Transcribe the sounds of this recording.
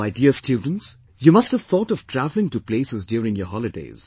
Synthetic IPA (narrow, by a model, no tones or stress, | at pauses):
maɪdiəstʰjuːd̃ⁿn̩ts | jumʌsthəv̥θɔːtɔv̥tʰɾævl̩ɪ̃ŋtupleːsɪzdjuːɾɪ̃ŋjɔɦɔlɪdḛɪz̥